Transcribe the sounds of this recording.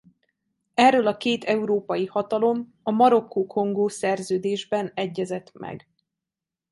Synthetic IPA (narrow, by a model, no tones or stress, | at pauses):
ɛrːølɒkeːt̪ʰɛuɾoːpɒjihɒt̪ɒlo̞m | ɒmɒɾo̞kːukʰo̞ŋɡoːsɛrzøːd̪eːʒbɛnɛɟːɛzɛt̪mɛ̰ɡ